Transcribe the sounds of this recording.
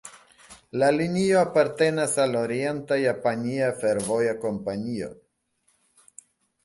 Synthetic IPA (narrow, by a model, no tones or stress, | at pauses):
lalinioapaɾte̞nasaloɾie̞ntajapaniafeɾvo̞jako̞mpanio̞̰